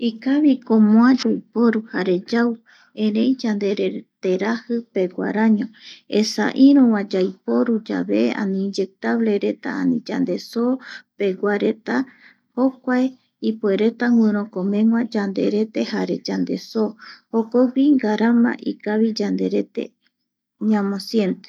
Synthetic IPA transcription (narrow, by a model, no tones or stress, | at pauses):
ikaβikõmõad͡ʒajpo̞ɾuhaɾe̞d͡ʒaw | ẽɾẽ̞jd͡ʒand̪eɾet̪e̞ɾahɨpe̞ɡʷa̰ɾãɲõ̞esa̰ʔiɾõwãd͡ʒajpo̞ɾud͡ʒa̰βea̰nĩd͡ʒek̚t̪aβle̞ɾe̞t̪a̰a̰nĩd͡ʒa̰nd̪e̞sope̞ɡʷwʷaɾe̞t̪a | hokʷae | ipueɾe̞t̪aŋwɨ̃ɾ̃õkomẽ̞ŋwʷãd͡ʒand̪eɾe̞t̪e̞haɾe̞d͡ʒand̪e̞sohokoɡʷiŋɡaɾamã̰ʔikaβid͡ʒand̪e̞ɾe̞t̪ḛ | ɲãmõsje̞nt̪e